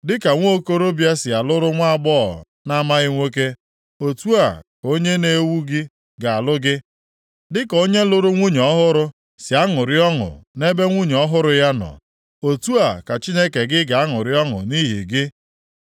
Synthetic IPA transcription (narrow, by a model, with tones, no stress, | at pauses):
dɪ˦ka˨ŋʷo˦ko˦ɾo˦bja˦sɪ˨a˨lʊ˦ɾʊ˦ŋʷa˦a˦˨ɡ͡bɔ̰˦˨ | na˦ma˦ɣɪ˦ŋʷe˦k̬e˦ | o˨tu˦a˨ko˦ɲe˦ne˦wu˦ɡɪ˦ | ɡa˨a˨lʊ˦ɡɪ˦ | dɪ˦ko˦ɲe˦lʊ˦ɾʊ˦ŋʷu˦ɲ˨ɔ˦ɦʊ˦ɾʊ˦ | sɪ˨a˦ŋʊ˨ɾɪ˦ɔ˦ŋʊ̰˨ne˦be˦ŋʷu˦ɲ˨ɔ˦ɦʊ˦ɾʊ˨ja˦nɔ̰˨ | o˨tu˦a˨ka˨t͡ʃi˦ne˦ke˨ɡɪ˦ɡa˨a˦ŋʊ̰˨ɾɪ˦ɔ˦ŋʊ̰˨ni˦ɦḭ˨ɡɪ˦